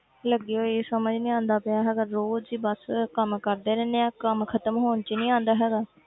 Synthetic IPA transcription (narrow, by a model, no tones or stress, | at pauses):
ləɡeoːeːsəməd͡ʒnĩːãːnd̪aːpɪaːɦɛːɡaːɾoːd͡ʒiːbəskəmkəɾd̪eːɾɛ̃ːnd̪eãːkəmkʰət̪əmɦoːnt͡ʃːnĩːãːnd̪aːɦɛːɡaː